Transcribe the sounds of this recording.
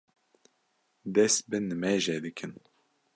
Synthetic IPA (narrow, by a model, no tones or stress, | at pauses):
d̪ɛst̪bɨnɨmɛʒɛd̪ɨkʰɨn